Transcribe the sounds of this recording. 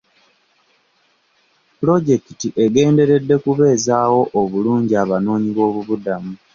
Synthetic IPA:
plo̞ɟe̞kitiʔe̞ɡe̞ːnde̞ɾe̞dːe̞kuβe̞ːzaːwo̞ʔoβuluːɲɟiaβano̞ːɲiβo̞ːβuβudamu

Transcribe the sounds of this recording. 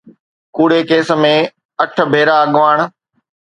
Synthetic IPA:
kuːɽekeːsə̆mẽ | ɐʈʰə̆bʱeːɾaɐɠʋaːɽ̃̆

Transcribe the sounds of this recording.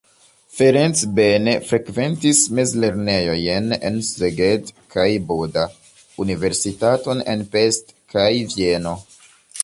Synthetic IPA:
feɾent͡sbe̞nefɾe̞kve̞ntismezle̞ɾne̞jo̞jenḛnseɡedkʰajboda | unive̞ɾsitato̞ne̞̰npe̞stkajvie̞no̞

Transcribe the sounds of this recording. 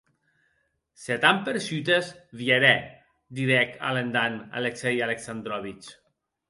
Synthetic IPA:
set̪ampeɾsyt̪ezβieɾɛ | d̪iɾɛka̰lend̪ana̰leksɛjaleksand̪ɾɔβit͡ʃ

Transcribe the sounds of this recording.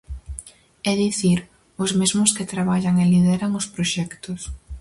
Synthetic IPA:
ɛðiθiɾ | ʊzmezmʊskɪt̪ɾaβaʎaŋelið̞ɛɾaŋʊspɾoʃɛkt̪ʊs

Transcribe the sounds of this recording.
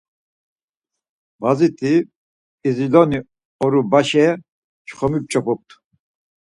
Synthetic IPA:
bazit̪ʰiː | zilɔni | ɔɾubaʃɛ | t͡ʃχɔmip̚t͡ʃʼɔpʰɔp̚t̪ʰ

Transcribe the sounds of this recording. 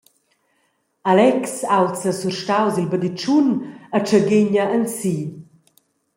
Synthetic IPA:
alɛksawt͡səsurʃtawzilbəd̪it͡ʃunət͡ʃəɡeɲəʔənsi

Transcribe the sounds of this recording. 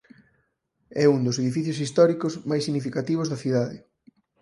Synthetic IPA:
ɛund̪oseðifiθjosist̪ɔɾikozmajsːiɣnifikat̪iβ̞ʊzðɐθiðaðɪ

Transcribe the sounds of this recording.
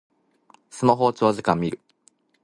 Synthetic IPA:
sɨmaɦo̞ːt͡ɕo̞ːzɨkãmːʲiɾɯ̟

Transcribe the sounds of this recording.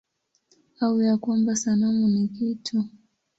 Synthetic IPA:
aujakwambasanamunikitʰu

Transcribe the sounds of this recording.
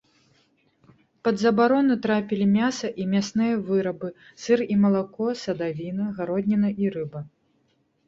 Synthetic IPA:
pɐd̪zɐbaɾɔnut̪ɾapʲilʲimʲasɐʔimʲasnɨjɐvɨɾɐbɨ | sɨrimɐlˠakɔsɐd̪avʲinɐɣaɾɔd̪ʲnʲinɐʔiɾɨbɐ

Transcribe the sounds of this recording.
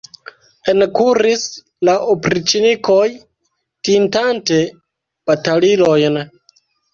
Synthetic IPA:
enkuɾis | laʔopɾit͡ʃiniko̞j | tintante̞ | b̥atalilo̞jn

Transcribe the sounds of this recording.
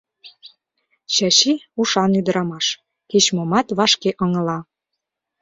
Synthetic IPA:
ɕɑɕiuʃɑnyd̪ə̆ɾɑmɑʃ | ket͡ɕmomɑt̪βɑʃkeʔɤ̆ŋɤ̆lɑ

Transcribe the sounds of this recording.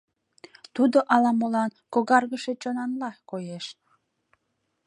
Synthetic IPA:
t̪ud̪oʔɑlɑmolɑnkoɣɑrɣəʃet͡ɕonɑnlɑkojeʃ

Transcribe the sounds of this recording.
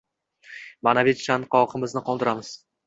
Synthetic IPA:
manavet̪t͡ʃːanqɒqʰɨmɪznɪqɒlˠd̪ɪɾamɪz̥

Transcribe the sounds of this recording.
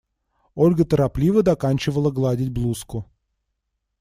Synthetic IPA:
o̞lʲɡət̪əɾaplʲivəd̪ɐkanʲt͡ɕɪvəlˠəɡlˠadʲɪtʲblˠuskʊ

